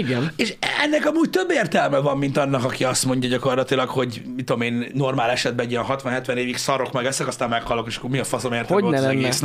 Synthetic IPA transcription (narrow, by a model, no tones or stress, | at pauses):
iɡɛneːʃɛnːɛkɒmuːct̪ø̞bːeːrt̪ɛlmɛvɒmːint̪ɒnːɒkɒkiɒst̪mo̞ɲɟɒɟɒko̞rlɒt̪ilɒkho̞ɟmit̪od̪omeːnːo̞rmaːlɛʃɛd̪bɛɛɟijɛnɦɒt̪ʋɒnɦɛt̪ʋɛneːviksɒɾo̞kmɛɡɛsɛkɒst̪aːmmɛkhɒlːokeʃɒ̥kːomiɒfɒzomeːrt̪ɛoolnɛzɛɛnɡeɛːsn